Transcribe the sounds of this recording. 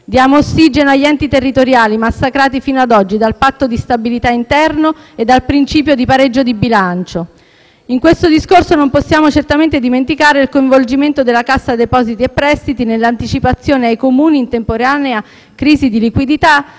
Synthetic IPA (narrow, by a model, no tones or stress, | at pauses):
d̪jaːmoːsːid͡ʒenoaʎːɛnt̪it̪erːit̪oɾjaːlimasːakɾaːt̪ifiːnoad̪ɔd͡ʒːid̪alpat̪ːod̪ist̪abilit̪aint̪ɛrnoed̪ːalpɾint͡ʃiːpjod̪ipaɾed͡ʒːod̪ibilant͡ʃo | iŋkwest̪od̪iskorsonomposːjaːmot͡ʃert̪ament̪ed̪iment̪ikaːɾeilkoĩɱvold͡ʒiment̪od̪elːakasːad̪epɔːzit̪iepːɾɛst̪it̪inelːant̪it͡ʃipat̪sːjoːneajkomuːniːnt̪empoɾeaːnea | kːɾiːzid̪ilikwid̪it̪a